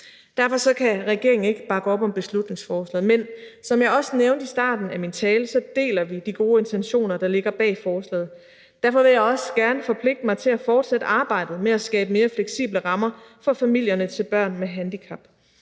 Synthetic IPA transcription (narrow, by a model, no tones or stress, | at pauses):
d̥æɐfɒ̽sɒ̽kʰæʁɛɡ̥e̝ɐ̰eŋ̩e̝ɡ̥əb̥ɑ̈ɡ̥əɒ̽b̥ɒ̽mb̥e̝slud̥ne̝ŋsfɒːslɛ̰ːð̩ˠmensɒ̽mjɑ̈ɪɒ̽səneʊnd̥isd̥ɑ̰̈ːd̥n̩æmint͡sʰɛːləsɒ̽d̥e̝̰ːlɐʋid̥iɡ̥o̝ːe̝nt͡sʰenɕo̝̰ːnɐd̥ɑ̈le̝ɡ̥ɐb̥ɛ̰ːfɒːslɛ̰ːð̩ˠ | d̥æɐfɒ̽ʋe̝ljɑ̈ɪɒ̽sɡ̥æɐnəfɒ̽pʰle̝ɡ̥̚d̥əmɑ̈ɪt͡sʰe̝læfɒːd̥sed̥əʔɑ̈ːb̥ɑ̈ɪ̰d̥ð̩ˠmeæsɡ̥ɛ̰ːb̥əme̝ːɐfleɡ̥sḭb̥ləʁɑ̈mɐfɒ̽fæmil̰jɐnət͡sʰe̝lb̥ɶɐ̰nmeɦænd̥ikʰɑ̈b̥